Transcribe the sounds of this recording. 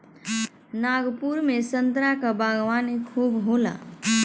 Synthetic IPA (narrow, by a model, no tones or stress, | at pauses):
naːɡpuɾmẽsə̃nd̪ɾakabaːɡʋaːnekʰuːbɦoːla̰ː